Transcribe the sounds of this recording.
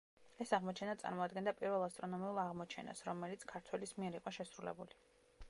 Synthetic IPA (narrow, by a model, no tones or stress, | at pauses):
ɛsaʁmɔt͡ʃʰɛnat̪sʼa̰ɾmɔad̪ɡɛnd̪apʼiɾvɛlˠast̪ʼɾɔnɔmiulˠaʁmɔt͡ʃʰɛ̰na̰sɾɔmɛlit̪sʰkʰaɾt̪ʰwɛlismiɛɾiqʼɔʃɛsɾulɛ̰buli